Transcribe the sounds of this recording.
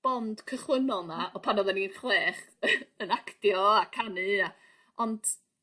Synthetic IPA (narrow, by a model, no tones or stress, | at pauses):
b̥ɔnd̥kʰəχwənɔlˠnaɔpʰanɔðaninχweːχ | ənakʰtjɔakʰanɨa | ɔnd̥